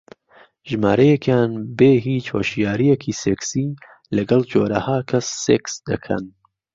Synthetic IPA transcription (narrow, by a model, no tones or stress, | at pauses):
ʒmaːɾɐjekjaːnbeːɦiːt͡ʃho̰ʃijaːɾijekʰiːseksi | lɐɡɐlˠd͡ʒoːɾɐhaːkʰɐsːeksd̪ɐkʰɐ̰n